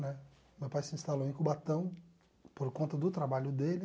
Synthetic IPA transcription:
nɛ | mewpajsiĩst̪alowẽkʊbat̪ɐ̃w̃ | poɾkõnt̪ɐd̪ʊt̪ɾabaʎʊd̪elɪ

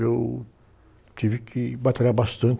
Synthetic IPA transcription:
ew | t͡ʃivikʰɪbat̪aɾabast̪ɐ̃nt̪

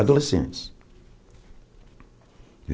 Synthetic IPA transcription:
ad̪olesḛ̃ns | v

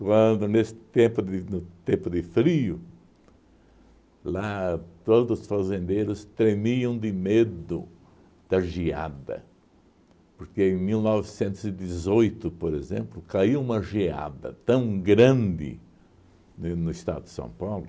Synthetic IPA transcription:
kwɐ̃nd̪ʊnesɪ̥t̪ẽmpʊd̪ɪnʊt̪ẽmpʊd̪ɪfɾiʊ | lat̪od̪zʊsfazẽnd̪eɾʊst̪ɾemiɐ̃w̃d̪ɪmed̪ʊ̰ | d̪̥ɐʒia̰d̪ɐ̰ | pʊɾkeẽjmilnɔvɪsẽnt̪ʊzɪd̪izojt̪ʊpoɾezẽmplʊkaiũmɐʒia̰d̪ɐ̰t̪ɐ̃w̃ɡɾɐ̃nd̪ɪ̰ | nnʊɪst̪a̰d̪ʊd̪ɪsɐ̰̃w̃pawlʊ

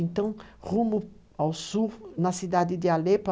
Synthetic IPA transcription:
ẽnt̪ɐ̃w̃ʁũmʊ | awsuɾnɐsid̪ad̪ɪd̪ɪalep

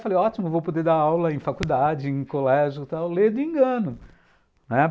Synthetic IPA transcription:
falejɔt͡ʃimʊevowpod̪ed̪aawlɐẽj̃fakud̪ad͡ʒɪẽj̃kolɛʒʊt̪awled̪ʊẽŋɡɐ̃nʊ | nɛ

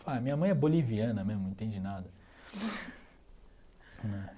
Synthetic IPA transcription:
faɐmĩɲɐmɐ̃j̃ɛboliviɐ̃nɐmẽzmʊẽt̪ẽd͡ʒɪnad̪ɐ | nɛ̃

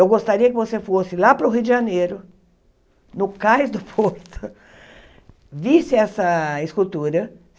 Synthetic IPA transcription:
ewɡost̪aɾiɐkɪvosefosɪlapɾʊɦiwd̪ɪʒanejɾʊ | nʊkajzd̪ʊpʰoɾt̪ʊ | visɪɛsɐɪskut̪uɾɐ

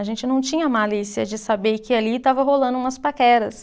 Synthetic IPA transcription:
ɐʒẽnt͡ʃɪnɐ̃w̃t͡ʃĩɲɐmalisiɐd͡ʒɪsabeɾkɪalit̪avɐɦolɐ̃nd̪ʊũmɐspakɛɾɐs

